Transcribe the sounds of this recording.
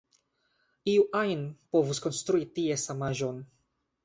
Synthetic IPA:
iuʔajnpo̞vusko̞nst̪ɾuitiesamaʒon

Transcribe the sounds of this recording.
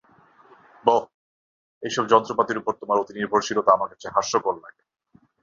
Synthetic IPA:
bo | ejʃɔbd͡ʑɔnt̪ɾopat̪iɾupoɾt̪omaɾot̪iniɾbʱoɾt͡ɕʰilot̪aamaɾkat͡ɕʰeɦaʃːokollake

